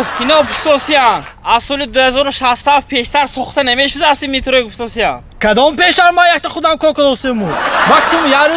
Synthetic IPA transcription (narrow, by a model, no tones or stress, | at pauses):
inɔɡuft̪ɔsianazsɔlid̪uhazɔɾuʃast̪afpʰe̞ʃt̪aɾsɔχt̪anameʃud̪aast̪imit̪ʰɾɔiɡuft̪ʰɔsiam | kʰad̪ɔmpeʃd̪aɾmajakt̪aχud̪amkʰɔɾkɔd̪ɔsemumaksimumjaɾ